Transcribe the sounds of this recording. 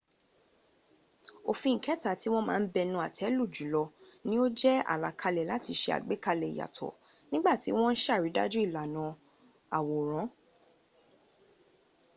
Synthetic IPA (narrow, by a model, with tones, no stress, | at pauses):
o˨fĩ˧ŋ̩˨kɛ˨˦ta˨ti˦w̃ɔ̃˦mãː˦˧n̩˦bɛ˧nũ˧˦a˨tʰɛ˨˦lu˦˨d͡ʒu˨˦lɔ˧ | nĩ˦o˦d͡ʒɛ˦a̰˨la˨kʰa˧lɛ˨la˨˦ti˧ʃe˧a̰˨ɡ͡be˨˦ka˧lɛ˨ḭ˨ja̰˨tʰɔ̰˨ | nĩ˦ɡ͡ba˦˨ti˨˦w̃ɔ̃˦n̩˦ʃa˦˨ɾi˨˦da̰˦d͡ʒu˦i˦˨la˨nã˨˧ | a˨wo˨ɾ̃ã˨˦